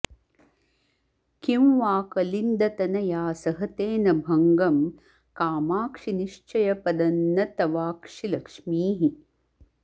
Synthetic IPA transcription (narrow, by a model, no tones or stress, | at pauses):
kimʋaːkɐlind̪ɐt̪ɐnɐjaːsɐɦɐt̪eːnɐbʱɐŋɡɐm | kaːmaːkʂiniʃt͡ʃɐjɐpɐd̪ɐnːɐt̪ɐʋaːkʂilɐkʂmiːɦi